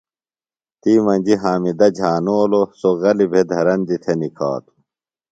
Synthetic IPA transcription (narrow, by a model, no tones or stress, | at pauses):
t̪iːmɐnʲd͡ʑiɦaːmid̪ɐd͡ʑʱaːnoːlosoɣɐlibʱed̪ʱɐɾɐnd̪it̪ʰenikʰa̰ːt̪u̥